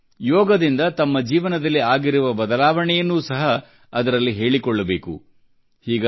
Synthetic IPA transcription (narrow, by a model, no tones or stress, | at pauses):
jɔːɡɐd̪ind̪ɐt̪ɐmːɐd͡ʒiːʋɐnɐd̪ɐlːiaːɡiɾuʋɐbɐd̪ɐlaːʋɐɳɛjɐnːuːsɐɦɐː | d̪ɐɾɐlːiɦe̞ːɭikɔɭːɐbe̞ːkṵ | hiːɡɐ